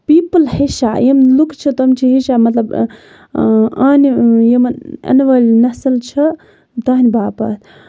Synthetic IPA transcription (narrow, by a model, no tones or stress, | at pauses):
piːpəlhiʃajemlukt͡ʃʰɐt̪omt͡ʃʰiɦiʃamɐt̪lɐb | aːnijemnɐ̰nʋɐlʲnɐsɐlt͡ʃʰɐ | t̪ɐɦnʲbaːpɐ̰ːt̪ʰ